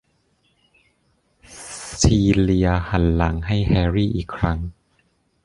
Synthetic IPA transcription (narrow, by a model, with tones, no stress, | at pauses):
siː˧li˧ɐha˩˦nla˩˦ŋɦa˥˩jhɛː˧ɾiː˥˩ʔiː˨˩kʰːɾa˦˥ŋ